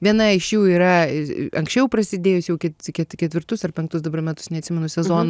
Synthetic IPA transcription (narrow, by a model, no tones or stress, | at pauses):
ʋʲiɛnɐɪʃjuːiːɾɐɐŋksʲt͡ʃʲɛʊprɐsʲɪd̪ʲeːjʊsjɛʊkʲɛtkʲɛtkʲɛt̪ʲʋʲɪrt̪ʊsɐrpʲɛŋkt̪ʊsd̪ɐbɐrmʲæt̪ʊ̥snʲɛt̪ʲsʲɪmʲɛnʊsʲɛzoːn